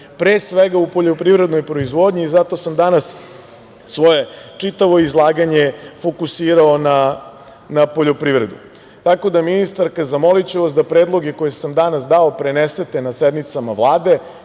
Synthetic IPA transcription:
pɾeːsʋeɡaupoʎo̞pɾiʋɾe̞d̪nojpɾo̞izʋo̞d̪ɲiːzat̪o̞samd̪anas | sʋo̞je̞t͡ʂit̪aʋo̞izlˠaːɡaɲe̞fo̞kusiːɾaona | napo̞ʎo̞pɾivɾe̞d̪ṵ | t̪ako̞d̪aminist̪aɾkazamo̞lit͡ɕuʋasd̪apɾe̞ːd̪lˠo̞ɡekojesamd̪anas̬d̪aopɾenese̞t̪e̞nased̪nit̪samavlˠaːd̪e̞

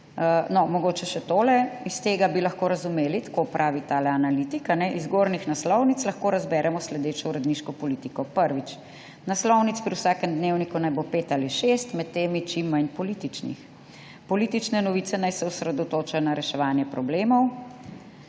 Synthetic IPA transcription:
ənɔmɔɡoːt͡ʃɛʃɛt̪oːlɛist̪eːɡabilaxkoːɾɐzumeːlit̪ḁkopɾʔaːʋit̪alɛanalit̪ikanɛʔizɡoːɾnixnaslɔwnit̪slɐxkoɾazbɛːɾʔɛmɔslɛd̪eːt͡ʃɔuɾɛd̪niʃkɔpɔliːt̪ikɔpəɾʋit͡ʃ | naslɔwnit̪spɾiwsaːkɛmd̪neːwnikunajbopeːt̪aliʃest̪mɛt̪ːeːmit͡ʃimːajnpɔliːt̪it͡ʃnḭx | pɔliːt̪it͡ʃnɛnɔʋiːt̪sɛnajsɛɔsɾɛd̪ɔt̪oːt͡ʃajɔnaɾɛʃɛʋaːnjɛpɾɔbleːmɔw

